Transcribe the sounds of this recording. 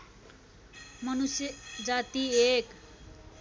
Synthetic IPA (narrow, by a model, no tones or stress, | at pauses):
mʌnusjd͡zat̪iek